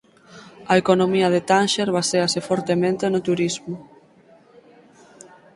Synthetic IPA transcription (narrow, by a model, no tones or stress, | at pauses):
ɐekonomiɐð̞et̪anʃeɾβaseasefɔɾt̪emẽnt̪enot̪uɾizmʊ